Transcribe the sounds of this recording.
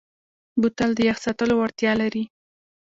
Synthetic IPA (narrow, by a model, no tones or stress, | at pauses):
but̪ald̪əjaxsɑt̪əlowaɽt̪jɑlaɾi